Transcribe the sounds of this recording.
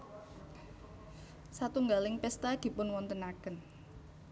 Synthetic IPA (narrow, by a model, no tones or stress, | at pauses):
sat̪uŋɡalɪŋpɛst̪ad̪̥i̤pʊnwɔnt̪ənakən